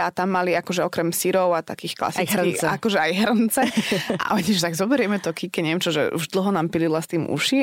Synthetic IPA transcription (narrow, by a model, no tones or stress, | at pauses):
at̪amːaliakɔʒɛɔkɾɛmsiɾɔʊat̪a̰kiːxkla̰sisakɔʒɛajɦɾnt͡sɛa̰ʔɔɲiʒɛt̪aɡzɔbɛɾɪjɛmɛt̪ɔkikɛɲɛɛmt͡ʃɔʒɛ̰ṵʒd̪l̩ɦɔnaːmpililast̪iːmṵʃi